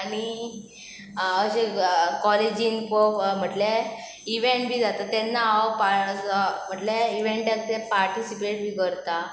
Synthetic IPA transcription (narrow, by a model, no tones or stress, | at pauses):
aɽ̃i | əɕekɔled͡ʑinkom̤əʈle | iʋeɳʈbʱiːd͡zat̪at̪enːaapa | m̤əʈleiʋeɳʈek̚t̪epaɾʈisipeʈ̚bʱiːkəɾt̪a